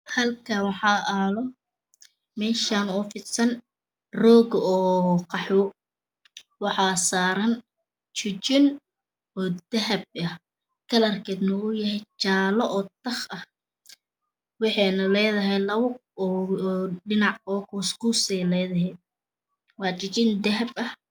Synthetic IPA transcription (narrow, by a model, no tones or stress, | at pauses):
hɐlkʰɐwħɑːʔɐːlɔ | mɛːʃaːnʊfɪd̪sɐn | rɔːɡɔːqɑħɔ | wɑħɑːsaːɾɐn | t͡ʃʊt͡ʃɪn | ɔːd̪ɐɦɐb̚ɐh | kʰɐlɐrkʰɛːd̪nʊʊjɐhɛjt͡ʃaːlɔʔɔːt̪ʰɐχɐh | wɑħɛnɐlɛːðɐɦɛjlɐβʊ | ɖɪnɑʕɔːkʰuːskusɛlɛːðɐɦɛ | wɑːt͡ʃɪt͡ʃɪnd̪ɐɦɐbɐh